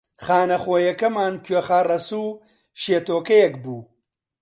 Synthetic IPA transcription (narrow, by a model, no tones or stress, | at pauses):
χaːnɐxoːjɐkɐmaːnkʰɥexaːrɐsuː | ʃeːt̪oːkɐjɛkbuː